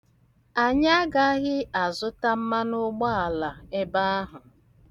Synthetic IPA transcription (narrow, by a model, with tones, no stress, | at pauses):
a˨ɲa˦a˦ɡa˨a˦ɦɪ˦a˨zʊ˦ta˦m̩˦ma˦nʊ˦ɡ͡ba˦a˨la˨e˦ba˦a˦ɦʊ˨